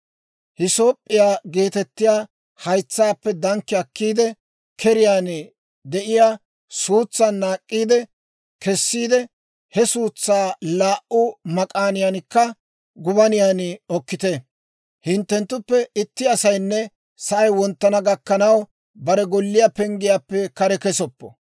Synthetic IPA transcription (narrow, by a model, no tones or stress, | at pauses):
hɪso̞ːpʼːɪjaːɡe̞ːt̪ɛt̪ːɪjaː | hɐjt͡sːaːpːɛd̪ɐŋkːɪɐkːiːd̪ɛ | kʰɛɾɪjaːn | d̪ɛʔɪjaː | suːt͡sːɐnːaːkʼːiːd̪ɛ | kɛsːiːd̪ɛ | hɛsuːt͡sːaːlaːʔʊmɐkʼaːnɪjankːɐ | ɡʊbɐnɪjaːnɪɔkːɪt̪e | hɪnt̪ːɛnt̪ːʊpːɛɪt̪ːɪɐsɐjnːɛ | sɐʔɐjwɔnt̪ːɐnɐɡɐkːɐnɐw | bɐɾɛɡɔlːɪjapɛŋɡɪjaːpːɛkɐɾɛkɛsɔpːɔ̰